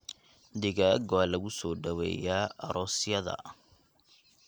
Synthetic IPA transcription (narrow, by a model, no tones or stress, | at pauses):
d̪ɪɣaɡɔalɐɣʊsɔːɖɐwɛ̰ːjaːɐɾɔːsɪjɐðɐ̰